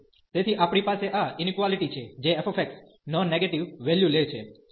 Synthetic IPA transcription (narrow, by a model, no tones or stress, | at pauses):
t̪et̪ʰiʔapɳ̃ipaseʔaɪnikʋaliʈit͡ʃʰed͡ʒeɛfefɛks | nɔnːeɡeʈiʋʋɛljulet͡ʃʰḛ